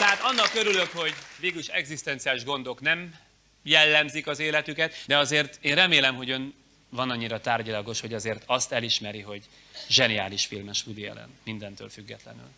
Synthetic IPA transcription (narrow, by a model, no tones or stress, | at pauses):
t̪ɛɦaːt̪ɒnːɒkːøɾylø̞kho̞ɟveːɡyliʃɛɡzist̪ɛnt̪siaːliʒɡo̞nd̪o̞knɛm | jɛlːɛmzikɒzeːlɛt̪ykɛt̪d̪ɛɒzeːrt̪eːnrɛmeːlɛmɦo̞ɟøn | vɒnɒɲːiɾɒt̪aːrɟilɒɡo̞ʃho̞ɟɒzeːrt̪ɒst̪ɛliʃmɛɾiɦo̞ɟ | ʒɛnia̰ːliʃfilmɛʃhud̪ijɛ̰lɛ̰nmind̪ɛnt̪ø̰ːlfyɡːɛt̪lɛ̰ny̰l